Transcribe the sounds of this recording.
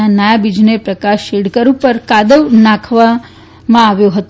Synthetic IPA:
anajabid͡ʒnepɾəkaʃiɽkəɾũpəɾkad̪əʋnãkʰʋa | mãːʋjoɦət̪

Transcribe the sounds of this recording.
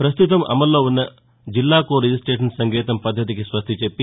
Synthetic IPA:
pɾɐst̪ut̪ɐmɐ̰mɐlːɐʋunːɐ | d͡ʒilːaːkoːɾid͡ʒisʈɾeːʈɐnsɐŋɡeːt̪ɐmpɐd̪ʱːɐt̪̬ikesʋɐst̪ʰit͡ʃepːi

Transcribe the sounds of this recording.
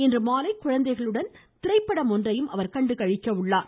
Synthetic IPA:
ɛndrɯmaːlɐɪkːʊɻɐnd̪ɐɪɣɐɭɯɽɐnt̪ɪɾɐɪpːɐɽɐmɔndrɐjɯmʔɐʋɐɾkɐɳɖɯkɐɻɪkːɐʋɯɭːaːɾ

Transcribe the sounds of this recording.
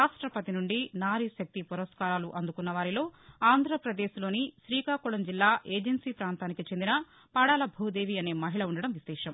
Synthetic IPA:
aːʂʈɾɐpɐt̪inuɳɖinaːɾiʃɐk̚t̪ipuɾɐskaːɾaːluʔɐnd̪ukunːɐʋaːɾilo̞ːaːnd̪ʱɾɐpɾɐd̪eːʃlo̞ːniʃɾiːkaːkuɭɐmd͡ʒilːaːʔeːd͡ʒensiːpɾaːnt̪aːnikit͡ʃe̞nd̪inɐ | paːɽaːlɐbʱuːd̪e̞ːʋiɐne̞ːmɐɦiɭɐuɳɖɐɽɐmʋislɛːʂɐm

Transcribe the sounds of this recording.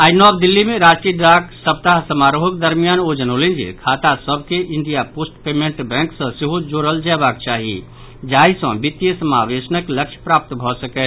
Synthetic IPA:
aɪnɔːbd̪ɪlːimẽɾaːd͡ʒʈɾiɖɾaːksəp̚t̪aɦsəmaɾoɦəkd̪əɾmijaːnoːd͡ʒənɦolẽnd͡ʒḭkʰaːt̪asəbʱkeʔɪ̃nɖijapoːsʈpeːmẽɳʈbɛ̃ːŋksə̃seɦod͡ʒoːɾəld͡ʒɛːbaːkt͡ʃaːɦḭ | d͡ʒaːisə̃bit̪ːjəsəmaːʋeːsənəkləkʃʰpɾaːp̚t̪bʱɔsəkɛ

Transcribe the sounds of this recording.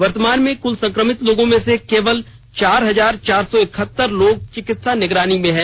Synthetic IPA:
ʋɐɾt̪əmaːnmẽkʊlsɐ̃ŋkɾəmɪt̪loːɡõmẽsekeːʋəl | t͡ʃaːɾɦɐzaːɾt͡ʃaːɾsɔɪkʰət̪ːəɾloːɡ̚t͡ʃikɪt̪sanɪɡɾaːnimẽɦɛ̃ː

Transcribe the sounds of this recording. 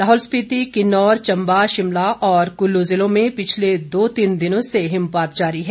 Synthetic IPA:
laːɦɔːlspiːt̪ikɪnɔːɾt͡ʃɐ̃mbaʃɪmlaʔɔːɾkʊlːozɪlõmẽpɪt͡ʃʰled̪oːt̪iːnd̪ɪnõseɦɪmpaːt̪̚d͡ʒaːɾiɦɛː

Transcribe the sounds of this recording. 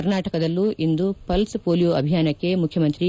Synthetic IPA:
ɐɾnaːʈɐkɐd̪ɐlːuʔind̪upɐlspoːljoɐbʱijaːnɐkːe̞mukʰːjɐmɐnt̪ɾi

